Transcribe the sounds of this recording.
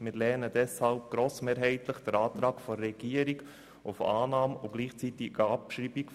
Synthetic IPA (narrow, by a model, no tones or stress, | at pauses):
mɪɾlɛːnəd̥ɛshalpɡ̥ɾoːsmeːɾɦɛɪt̪ləχd̥əɾaːt̪ɾɑːkfɔːɛɡ̥iːəɾiɡ | ʊfaːnɑːmʊɡ̥liːχt͡sit̪ɪɑpʃɾiːbik